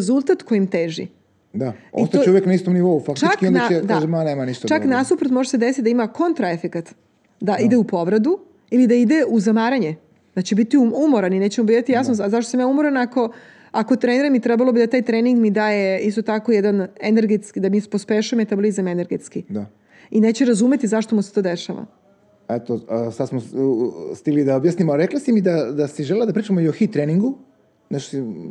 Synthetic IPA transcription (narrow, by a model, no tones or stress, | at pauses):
zulˠt̪at̪kojimt̪eːʒḭ | d̪aoist̪aouʋjeknaist̪omniʋoufakt͡ʃiat͡ʃkiõnaed̪aʒemaneːmanist̪t͡ʃaknasupɾot̪mo̞ʒesed̪esit̪id̪aimako̞nt̪ɾaefekat̪ | d̪aʔid̪e̞upo̞ʋɾed̪u | ilid̪aid̪e̞uzamaːɾaɲe | d̪at͡ɕebit̪iuumoɾanineːt͡ɕemobid̪at̪ijasnozaʃt̪osamjaumoɾanako̞ | ako̞t̪ɾeniɾamit̪ɾɛbalobid̪at̪aːjt̪ɾeːniŋɡmid̪aːje̞ist̪o̞t̪ako̞jɛd̪aneneɾɡet̪skid̪amispospeʃueme̞t̪ablˠizamene̞ɾɡet̪skid̪a | ineːt͡ɕeɾazume̞t̪izaʃt̪omuset̪o̞ːd̪eʃaʋa̰ | ɛt̪osad̪smo | st̪iɡlid̪aobjasnimaɾeklasimid̪ad̪asiʒelelad̪apɾiːt͡ʃamoioxit̪ɾeniŋɡu | naʃt̪o̥si